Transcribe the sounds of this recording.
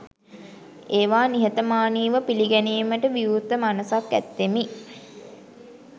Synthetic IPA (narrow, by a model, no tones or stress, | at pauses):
eːʋaːniɦət̪əmaːniːʋəpiliɡæniːməʈəʋiut̪ːəmanəsakːæ̰t̪ːemi